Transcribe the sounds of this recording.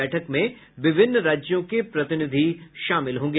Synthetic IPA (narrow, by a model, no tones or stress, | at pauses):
ɛːʈʰəkmẽ | ʋɪbʱɪnːɾaːd͡ʒjõkepɾɐt̪ɪnɪd̪ʱiʃaːmɪlɦõːɡe